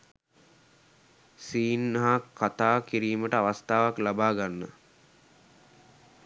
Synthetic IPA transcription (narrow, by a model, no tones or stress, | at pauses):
siːnːaɦakʰːat̪aːkiɾiːməʈəaʋast̪aːʋaklabaːɡanːə̰